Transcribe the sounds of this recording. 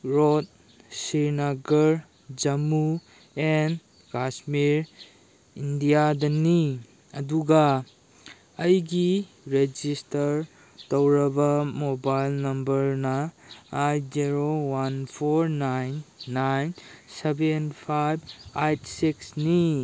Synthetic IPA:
ɾot̚ | siɾnaɡɐɾ | d͡ʒɐmu | en | kasmiɾ | indijadɐni | ɐduɡa | jɡi | ɾed͡ʒistɐɾ | tɐwɾɐbɐmobajlnɐmbɐɾnɐajziɾowanpʰoɾnajnːajnsebenpʰajbajtsiksni

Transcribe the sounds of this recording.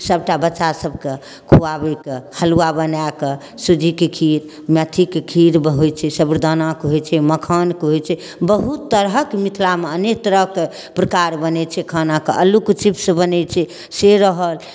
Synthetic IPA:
səbʈabətːʃasəbke | kʰuabekehəluabənake | sud͡ʒʱikekʰiɾ | mjat̪ʰikekʰiɾbəɦojt͡ʃʰɛsəbɾd̪ʱənakɦojt͡ʃʰɛməkʰənkɦojt͡ʃʰɛ | bəɦut̪ːəɾɦəkmit̪ʰlameənekt̪əɾəke | pɾəkaɾbənɛt͡ʃʰɛkʰənakeʔəlukt͡ʃipsəbənɛt͡ʃʰɛ | seɾəɦəl

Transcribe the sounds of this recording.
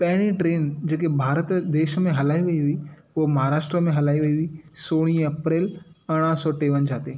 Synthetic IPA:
pɐɦɪɽ̃ĩʈɾeːnd͡ʑeːkebʱaːɾət̪d̪eːʃəmẽɦɐlaːiʋɐiɦʊipoɦmɐɦaːɾaːʃʈɾəmẽɦɐlaːiʋɐiʊisoːɽ̃iːɐpɾeːlɐɽ̃əsɔːʈeːʋənd͡ʑʱaːt̪eː

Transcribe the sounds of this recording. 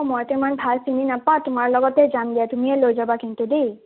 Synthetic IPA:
mɔjtemanbʱalsininapãtumaɹlɔɡɔtɛzandijatumiɛlojzabakintudej

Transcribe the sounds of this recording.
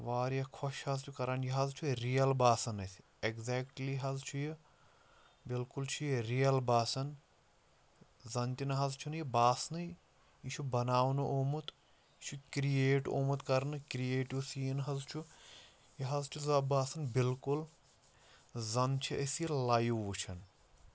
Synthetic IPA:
ʋaːɾjɐkʰɔʃhɐzt͡ʃʰukɐɾaːnjiɦɐzt͡ʃʰuɾijɐlbaːsɐnɐsʲ | eɡzɛːkʈliɦɐzt͡ʃʰuji | bilkult͡ʃʰujiɾijɐlbaːsɐn | zɐnt̪inɐɦɐzt͡ʃʰunɨjibaːsnɨ | it͡ʃʰubɐnaːwnɨʔoːmut̪ | t͡ʃʰukɾijeːʈo̰ːmut̪kɐɾnɨkɾijeːʈiwsiːnɦɐzt͡ʃʰu | jiɦɐzt͡ʃʰuzɐbaːsɐnbilkul | zɐnt͡ʃʰiʔɐsjɐlaːjuʋut͡ʃʰɐn

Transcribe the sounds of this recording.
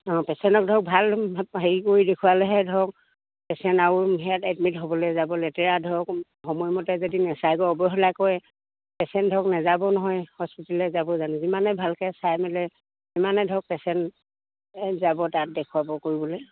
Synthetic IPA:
ɔ̃pɛsɛntɔk̚dʱɔk̚bʱalɦeɹikoidekʰuwalɛɦɛdʱɔk̚ | pɛsɛntaɹuɦɛjatɛdmitɦobɔlɛzabɔlɛtɛɹadʱɔk | hɔmɔjmɔtɛzodinɛsajkɔɔbɔɦɔlakɔj | pɛsɛntdʱɔknazabɔnɔɦɔjhɔspitalɛzabɔzanɛzimanɛbʱalkɛsajmilɛ | imanɛdʱɔk̚pɛsɛnt | zabɔtat̚dɛkʰuwabɔkoɹibɔlɛ

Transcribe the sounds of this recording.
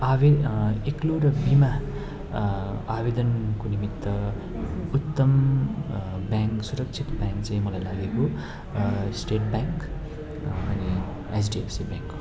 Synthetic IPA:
aeekloɾʌbima | abed̪ʌnkonimit̪ːwʌ | ut̪ːʌm | baŋksuɾʌkt͡ʃʰit̪bãŋkt͡sãĩmʌlajlaɡeko | sʈeʈ̚baŋk | ʌni | esɖiefsibãŋk

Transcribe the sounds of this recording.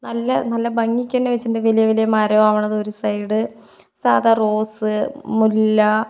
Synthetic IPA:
nɐlːɐnɐlːɐbɐŋːikʲːɐːnːeʋet͡ɕːɳdeʋelijɐʋelijɐmaːɾɐaːʋɐɳːɐðo̞ɾusɐjɽɨ | saːd̪ɐroːsɨmulːɐ

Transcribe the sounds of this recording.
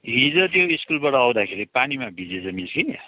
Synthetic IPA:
ɦĩd͡zʌt̪joiskulbaʈʌaw̃d̪akʰeɾipanimabʱid͡zed͡zʌmiskinja̰

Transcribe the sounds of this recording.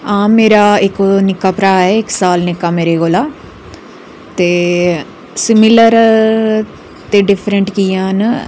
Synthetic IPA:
aːmːeːɾaːɪknɪkːaːpɾaːɛːɪksaːlnɪkːaːmeːɾeːɡoːlaː | t̪eː | sɪmɪləɾ | t̪eːɖɪpʰɾəɳʈkiːãːn

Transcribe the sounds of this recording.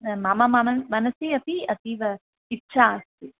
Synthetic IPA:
maːmamaːmɐmɐnɐsiɐt̪iɐt̪iʋɐ | ɪtːt͡ʃast̪i

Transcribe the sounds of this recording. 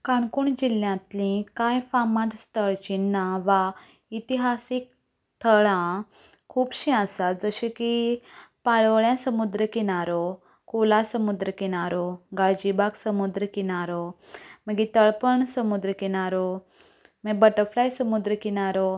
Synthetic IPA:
kaɳkuɳd͡ʑiljãt̪lĩkajfamãd̪st̪əɭt͡ɕinːaʋa | it̪iɦasik̚ | t̪ʰəɭã | kʰuːbɕiasat̪̚d͡zəɕikipaɭʋəɭjãsəmud̪ɾəkiɽ̃aɾɔ | kolasəmud̪ɾəkiɽ̃aɾɔɡaɭd͡ʑibaksəmud̪ɾəkiñaɾɔməɡit̪əɭpəɳsəmud̪ɾəkiɽ̃aɾɔ | məbəʈəɾflajsəmud̪ɾəkiɽ̃aɾɔ

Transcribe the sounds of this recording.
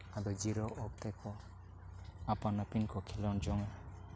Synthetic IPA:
ad̪ɔd͡ʒiɾɔʔɔk̚t̪ɛkɔ | apanapinkɔkʰɛlɔnd͡ʒɔŋ

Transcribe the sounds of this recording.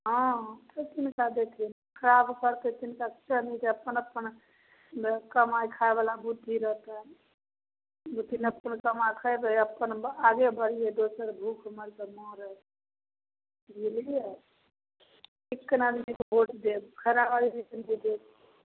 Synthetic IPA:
ɦɔ̃t̪ət͡ʃinkad̪ek̪ʰin | kʰəɾabkəɾt̪et͡ʃinkakt͡ʃʰənid͡ʒ̪eəpːənəpːən | kəmajkʰaebalabut̪ːiɾəɦt̪a | but̪inəpənkəmakʰaeb̪əəpːənaɡebəɾijed̪osəɾbʱukʰuməɾt̪əmɔɾə | ɦilije | ekːənad̪inikboʈd̪ebkʰəɾabaɾisəkinbid̪eb

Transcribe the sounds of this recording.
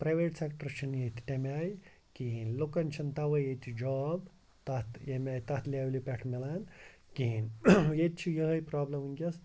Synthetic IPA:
pɾaːjʋeːʈsekʈɐɾt͡ʃʰinjet̪ʰʲi̥t̪ʲemʲaːj | kinlokɐnt͡ʃʰɐnt̪aʋɐjet̪t͡ʃʰid͡ʒaːb | t̪ɐt̪jemʲaːjt̪ɐt̪lʲaːwlipʲɛʈʰmilaːnkʲinjet̪̚ʲt͡ʃʰijɐɦɐjpɾaːblɐminʲkʲɐs

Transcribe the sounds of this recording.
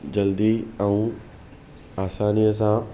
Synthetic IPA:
d͡ʑɐld̪iɛ̃ũ | aːsaːnijəsã

